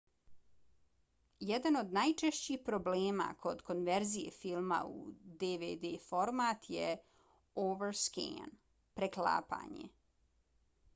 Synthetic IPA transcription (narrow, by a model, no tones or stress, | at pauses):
jed̪ano̞d̪najt͡ʃeʃt͡ɕihpɾo̞bleːma̰kʰo̞d̪kʰo̞nʋeɾzijḛfilˠma̰ṵd̪eʋed̪efo̞ɾmat̪je | oʋeɾskḛn | pɾekla̰ːpa̰ːɲḛ